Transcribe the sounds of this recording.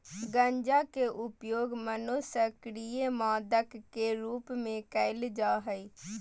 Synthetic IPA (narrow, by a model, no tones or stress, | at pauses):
ɡə̃ɲd͡ʒaːkeʔʊpjoːɡmənosəkɽijemãːd̪əkkːeɾuːpmẽkəɪld͡ʒaːɦəi